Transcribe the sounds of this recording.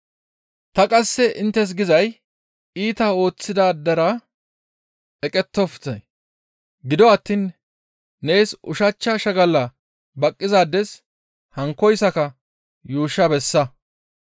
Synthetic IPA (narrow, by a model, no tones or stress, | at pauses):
t̪ɐkʼɐsːɛʔɪnt̪ːɛs̬ɡɪzɐj | iːt̪aːo̞ːt͡sːɪd̪aːd̪ɐɾɐ | ɛkʼɛt̪ːɔft̪ɐj | ɡɪd̪ɔɐt̪ːiːn | ne̞ːsʊʃɐt͡ʃːɐʃɐɡɐlːɐ | bɐkʼːɪzaːd̪ɛs | hɐŋkːɔjsɐkɐ | juːʃɐbɛsːɐ